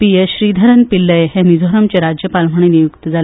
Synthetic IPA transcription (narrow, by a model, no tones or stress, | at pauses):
pieɕɾiːd̪ʱəɾənpilːəjeɦẽnid͡zʱoɾəmt͡ɕeɾad͡ʑjəpalm̤əɳ̃enijukt̪əd͡zal